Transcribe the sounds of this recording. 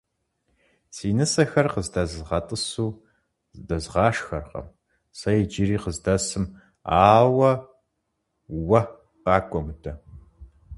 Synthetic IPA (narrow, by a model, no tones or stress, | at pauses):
siːnɨsɐxɐrqəzdɐzzʁɐtʼɨsuː | zdɐzʁɑːʂxɐrqɐ̰m | sɐjɛd͡ʒiɾiːqəzdɐsɨm | aːwɐ | wɐ | aːkʷʼɔmɨtʰɐ